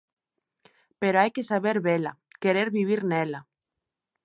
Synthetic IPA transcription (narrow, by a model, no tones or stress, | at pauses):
peɾoajkesaβ̞eɾβela̰keɾeɾβiβ̞iɾnela